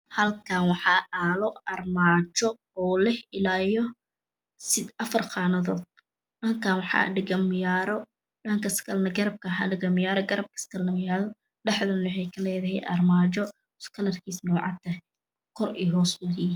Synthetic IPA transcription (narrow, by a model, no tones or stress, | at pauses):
hɐlkʰanwɑħɑːʔaːlɔɐrmaːt͡ʃɔ | ɔːlɛhɪlaːjɔ | sɪɐfɐrqɑːnɐðɔːd̪̚ | nɐkʰanwɑħɑ̰ːɖɪɡɐmjaːɾɔ | ɖɐŋkʰɐskʰɐlnɐɡɐɾɐb̚kʰɐħɑɖɪɡɐmɪjaːɾɔɡɐɾɐb̚kʰɐ̥skʰɐlnɐmɪjaːðɔ | ɖɛħðɐnwɑħɛjkʰɐlɛːðɐɦɛ̰jʔɐ̰rmaːt͡ʃɔ | ʊskʰɐlɐrkʰiːsnɔːʕɑ̰t̪ʰːɐ | kʰɔriɦɔːswɐði